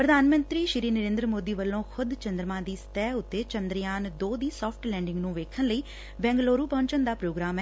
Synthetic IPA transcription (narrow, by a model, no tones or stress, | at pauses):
pɾəd̪ʱaːnmə̃nt̪ɾiːʃɪɾiːnəɾẽːnd̪ɾəmoːd̪iːʋəlːõːkʰʊd̪t͡ʃənd̪ɾəmãːd̪iːst̪ɛːʊt̪ːeːt͡ʃənd̪ɾjaːnd̪oːd̪iːsɔːpʰʈlɛ̃ːɳɖɪŋɡnũːʋeːkʰənləiː | bɛ̃ːŋɡloːɾuːpɔ̃ːɲt͡ʃənd̪aːpɾoːɡɾaːmɛ